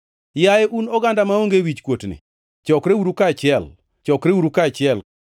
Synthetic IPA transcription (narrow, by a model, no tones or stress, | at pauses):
jajeʔunɔɡandamaoŋɡewit͡ʃkwotnḭ | t͡ʃɔkɾewuɾukat͡ʃɪɛl | t͡ʃɔkɾewuɾukat͡ʃɪɛl